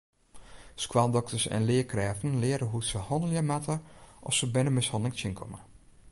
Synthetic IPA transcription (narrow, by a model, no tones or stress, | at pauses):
skwadɔktʰəsɛ̰nlɪəkrɛːvən̩lɪəɾəɦutsəhɔnəljəmatəʔɔ̰fsəbɪnəmɪshɔndlɪŋsɪnkʰɔ̰mə